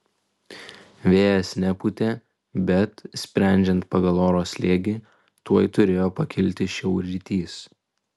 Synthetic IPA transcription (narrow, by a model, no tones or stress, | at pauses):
ʋʲeːjɛsʲnʲɛput̪ʲeː | bʲɛt̪sʲpʲɾʲæˑnʲd͡ʒʲɛnt̪pɐɡɐlˠoːɾoːsʲlʲeːɡʲiː | t̪uɔjt̪ʊɾʲeːjoːpɐkʲɪlʲt̪ʲɪʃʲɛʊɾʲit̪ʲiːs